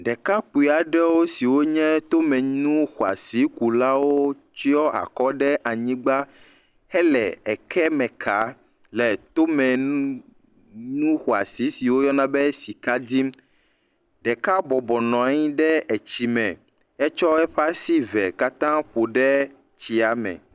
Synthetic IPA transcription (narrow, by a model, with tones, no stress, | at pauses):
ɖɛ˨ka˦k͡pu˨i˨a˨ɖɛ˦wo˦si˨wo˦ɲɛ̃˦t̪o˦mɛ̃˨ɲũ˦xo˨a̰˨si˨˦ku˨la˦wo˦ | t͡ʃi˦ɔ˦a̰˨kɔ˦ɖɛ˦ʔa˨ɲĩ˦ɡ͡ba˦ | hɛ˦lɛ̰˨ɛ˨kʰɛ˦mɛ̃˨kʰa˨˦ | lɛ˨t̪o˦mɛ̃˨ | nũ˦xo˨a̰˨si˨˦si˨wo˦jɔ˦nã˦bɛ˦si˨ka˦d̪i˦m | ɖɛ˨ka˦bɔ˨bɔ˨nɔ̃˨a˦ɲĩ˦ɖɛ˦ɛ˨t͡ɕi˨mɛ̃˨ | ɛ˦t͡ʃɔ˦ɛ˦ɸa˦si˦vɛ˨ka˦t̪ã˦ɸo˨ɖɛ˦ | t͡ɕi˨a˨mɛ̰̃˨